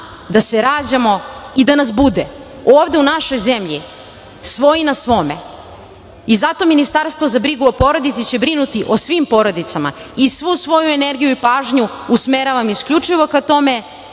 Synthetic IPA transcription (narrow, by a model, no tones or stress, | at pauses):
d̪aseɾaːd͡ʑamo̞id̪anas̬bud̪e | oːvd̪e̞unaʃo̞jze̞mʎi | sʋo̞jinasʋo̞mḛ | izat̪o̞minist̪aɾst̪vʋo̞zabɾiɡuopo̞ɾo̞d̪it̪sit͡ɕe̞bɾinut̪iʔo̞sʋimpo̞ɾo̞d̪it̪sama̰isʋusʋo̞jue̞ne̞ɾɡijuipaːʒɲuusmeɾaʋamiskʎut͡ʂiʋo̞kat̪o̞me̞